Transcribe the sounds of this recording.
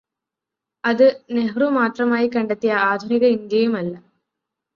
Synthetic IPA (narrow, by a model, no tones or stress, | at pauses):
ɐðɯnɛɦɐɾumaːt̪rɐmaːjikːɐɳɖɐt̪ːɪjɐaːd̪ʱʊnɪɣɐɪnd̪ɪjɐjɯmɐlːɐ